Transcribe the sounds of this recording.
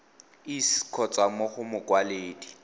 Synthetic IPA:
ɪskʰɔt͡sʼwamoχʊmʊkwaleːdi

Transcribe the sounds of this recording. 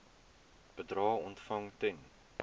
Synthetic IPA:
b̥ədrɑːɔntfɐŋtɛn

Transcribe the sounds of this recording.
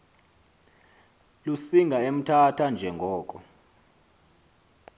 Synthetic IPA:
lusiŋɡʱaem̩tʰatʰand͡ʒʱɛŋɡʱɔːkʼɔ

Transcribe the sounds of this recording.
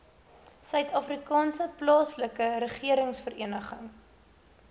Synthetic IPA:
sœɥtʰɑfrikɑːnsəplɑːsləkəɾəχiəɾəŋsfəriənəχəŋ

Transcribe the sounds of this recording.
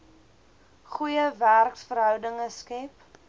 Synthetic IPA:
χujəværksfəɾɦœwdəŋəskɛp

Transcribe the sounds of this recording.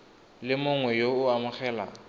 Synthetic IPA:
lɪmʊŋwɛjoʊamʊχɛːla̰

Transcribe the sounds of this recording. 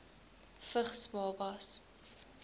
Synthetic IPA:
fəχsmɑːbɐs

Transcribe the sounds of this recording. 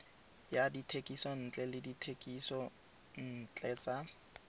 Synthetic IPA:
jaditʰekʼisɔn̩t͡ɬʼɛlɪditʰekʼisɔ | n̩t͡ɬʼɛt͡sʼa

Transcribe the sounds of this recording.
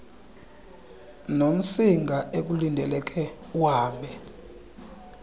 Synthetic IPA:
nom̩siŋɡʱaʔek̬ulindʱɛlɛkʰʼɛ | waːmbʱɛ

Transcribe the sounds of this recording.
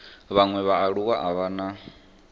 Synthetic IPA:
βaŋwɛβaːɺukaʔaβaːna

